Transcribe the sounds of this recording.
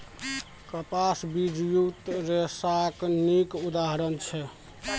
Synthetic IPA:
kəpasbid͡ʒjut̪ɾesaknikud̪aɦɾənt͡ʃʰɛ

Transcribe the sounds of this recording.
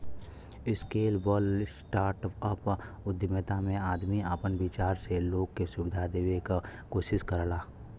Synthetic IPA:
ɪskeːlbɔːlsʈaːɾʈəp | ʊd̪mət̪amẽaːd̪miəpənbɪt͡ʃaːɾseloːɡkesʊbɪd̪ʱad̪eːʋekakoːʃɪskəɾəlaː

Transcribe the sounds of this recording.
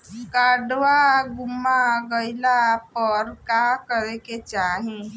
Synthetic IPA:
kaɖwaɡumaɡɔjlapɔɾkakəɾeket͡ʃaɦĩ

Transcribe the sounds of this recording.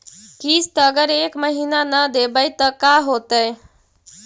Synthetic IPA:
kiːst̪əɡəɾeːkməɦiːnanəd̪eːbait̪əkaːɦoːt̪əj

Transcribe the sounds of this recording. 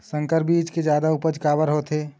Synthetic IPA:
sə̃ŋkəɾbiːt͡ʃked͡ʒjaːd̪aʊpəd͡ʒkaːbəɾɦoːt̪ʰeː

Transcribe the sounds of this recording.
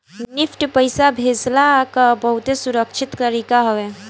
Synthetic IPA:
nɪpʰʈpəjsabʱed͡ʒlakəbəɦut̪esuɾəkt͡ʃʰit̪t̪əɾikaɦoe

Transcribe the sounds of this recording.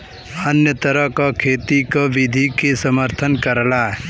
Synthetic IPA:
ənjət̪əɾəɦkakʰeːt̪ikaʋɪd̪ʱikesəməɾt̪ʰənkəɾlaː

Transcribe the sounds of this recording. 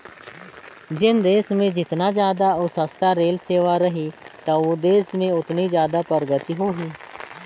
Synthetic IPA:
d͡ʒɪnd̪eːsmẽd͡ʒɪt̪nazjaːd̪aʊsəst̪ʰaɾeːlseːʋaɾɐɦit̪aod̪eːsmẽʊt̪nizjaːd̪apəɾɡət̪iɦoːɦiː

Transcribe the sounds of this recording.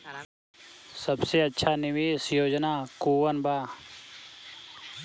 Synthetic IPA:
sɐbseːɐtːʃʰaːnɪʋiːsjoːd͡ʒnaːkuːʋənbaː

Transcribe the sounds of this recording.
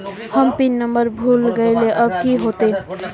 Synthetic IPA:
hʌmpinːʌmbʌɾbʱulɡejleʔʌb̚kiɦot̪e

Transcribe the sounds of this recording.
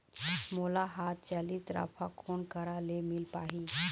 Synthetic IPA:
molaɦat̪̚t͡ɕaliːsɾa̰pʰakʰoɳkəɾalemilpaɦi

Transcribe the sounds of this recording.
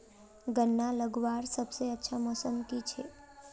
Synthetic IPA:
ɡənːaləɡʋaɾsəbseətːʃʰamɔsəmkit͡ʃʰe

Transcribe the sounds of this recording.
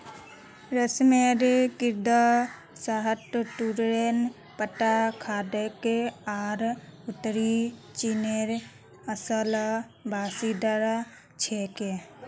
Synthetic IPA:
ɾəsmeɾkɪɾd̪a | saɦəʈuɾɾen | pəʈːakʰaːd̪ekeaːɾʊt̪ɾit͡ʃineɾ | əsəl | bʱaːsid̪əɾa | t͡ʃʰeːke

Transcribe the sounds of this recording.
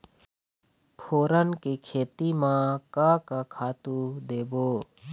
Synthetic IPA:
pʰoːɾənkikʰeːt̪imãkakakʰaːt̪ud̪eːboː

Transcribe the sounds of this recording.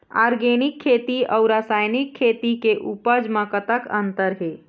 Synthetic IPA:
a̰ːɾɡeːnɪkʰːeːt̪iɔʊɾaːsaːjnɪkʰːeːt̪ikeʔupəd͡ʒmə̃kət̪əkə̃nt̪əɾɦeː

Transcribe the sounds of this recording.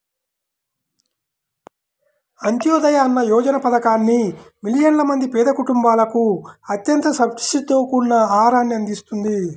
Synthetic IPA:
ɐnt̪jɔːd̪ɐjɐːnːɐjɔːd͡ʒɐnɐpɐd̪ɐkaːnːimilijɐnlɐmɐnd̪ipɛːd̪ɐkuʈumbaːlɐkuɐt̪jɐnt̪ɐsɐʈi̥sit̪oːkunːɐaːɾaːnːiɐnd̪ist̪und̪i

